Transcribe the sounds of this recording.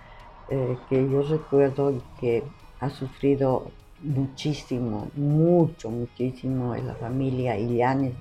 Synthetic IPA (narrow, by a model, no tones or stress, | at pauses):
ɛkejoreked̪oɡike | asufɾiðo | mut͡ʃisimo̰mut͡ʃomut͡ʃisimoḛla̰familjaiʎane